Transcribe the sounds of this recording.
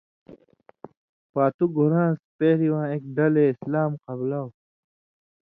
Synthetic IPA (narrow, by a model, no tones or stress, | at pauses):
paːt̪uɡʱuɾãːspeːɾiwãːek̚ɖɐleislaːmqɐblaw